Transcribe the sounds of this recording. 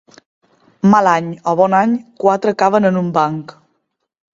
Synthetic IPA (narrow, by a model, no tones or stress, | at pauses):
malaɲɔβɔnaɲkwat̪ɾəkaβənənumbaŋk